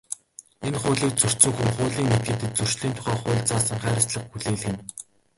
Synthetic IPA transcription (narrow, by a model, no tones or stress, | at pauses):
enχʊːɮiːk̚t͡sɵr̥tsɵ̆ŋxumχʊːɮiːŋmet̪̚ɡɘ̆t̪ɘ̆t̪̚t͡sɵr̥ʃɮiːnt̪ʰʊ̥χæːχʊːɮt͡saːsə̆ŋχæːɾə̆sɮə̆χxuɮeːɮɣɘ̆n